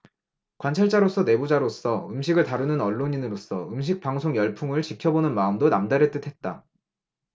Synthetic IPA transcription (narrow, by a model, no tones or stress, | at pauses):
kwant͡ɕʰaɭt͡ɕ͈aɾos͈ʰʌne̞bud͡ʑaɾos͈ʰʌɯmɕʰiɡɯɭtaɾunɯnʌɭːoɲinɯɾos͈ʰʌ̰ɯmɕ̬ʰik̚paŋsʰoŋjʌɭpʰuŋɯɭt͡ɕikʰjʌbonɯnmaɯmdonamdaɾet͈ɯtʰe̞t̚t͈a